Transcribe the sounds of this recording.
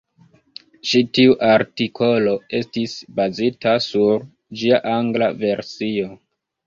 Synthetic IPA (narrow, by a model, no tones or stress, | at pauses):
ʃitiuʔaɾtikʰo̞lo̞e̞stisbazitasuɾ | d͡ʒiaʔaŋɡlave̞ɾsio̞